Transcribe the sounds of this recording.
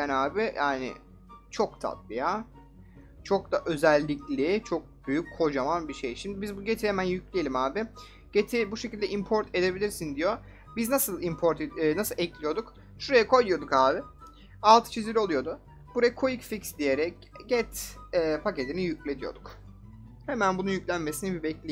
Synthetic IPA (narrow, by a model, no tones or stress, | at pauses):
anaːbɪjaːnɪ̰ | t͡ʃʰo̞kt̪ʰa̰t̪̚bija | t͡ʃʰo̞k̚d̪aʔø̞zælʲːiclʲɪt͡ʃʰo̞k̚byjycho̞d͡ʒamanbiʃejʃimd̪ibizbuɟet̪ʰiɾeɛmænjyclʲijelʲimaːbɪ | ɟ̥et̪ʰibuʃecild̪ɛʔimpʰo̞ɾt̪ʰe̞d̪e̞bilʲiɾsind̪ijo̞ | biznasɯlˠimpʰoɾt̪ʰːnasɯlˠʔɛclʲijo̞d̪uk | ʃuɾajakʰo̞jujo̞d̪ukhaːbɪ | alˠt̪ʰɯ̥t͡ʃʰizilʲiolˠujo̞d̪ʊ | b̥uɾajakʰo̞jicficsd̪ije̞ɾɛc̚ | ɟɛt̪ːpʰace̞t̪ʰinijyclʲe̞d̪ijo̞̰d̪̥uk | he̞mænbununjycʲlʲænme̞sinibibɛclʲe